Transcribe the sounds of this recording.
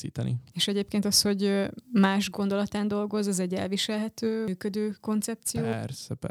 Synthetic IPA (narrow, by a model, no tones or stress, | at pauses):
ḭːt̪ɛnḭeːʃɛɟeːp̚keːnt̪ɒsho̞ɟmaːʒɡo̞nd̪o̞lɒt̪aːnd̪o̞lɡo̞zɛzɛɟːɛ̰lviʃɛlɦɛt̪øːkød̪øːko̞nt̪sɛp̚t̪sijoːɛrsɛpɛ